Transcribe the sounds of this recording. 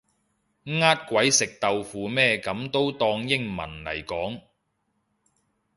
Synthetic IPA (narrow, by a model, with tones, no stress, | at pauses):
ŋaː˥t̚kʷwɐ˨˥jsɪ˨k̚t̪ɐ˨wfuː˨˧mɛː˥kɐ˨˥mt̪o˥wt̪ɔː˧ŋjɪ˥ŋmɐ̰˨˩nlɐ̰˨˩jkɔː˨˥ŋ